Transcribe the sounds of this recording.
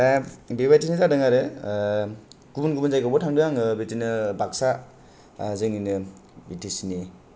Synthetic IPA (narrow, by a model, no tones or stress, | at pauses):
bebajtinizadɯŋaɾɯ | ɡ̥ubunɡubunzajkɔbɔtʰaŋdɯjaŋɯbetinɯbaksa | zɯŋinɯ | bitisini